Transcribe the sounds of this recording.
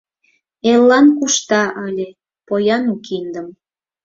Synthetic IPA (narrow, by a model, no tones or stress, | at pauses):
elːɑnkuʃt̪ɑʔəlʲe | pojɑnukind̪əm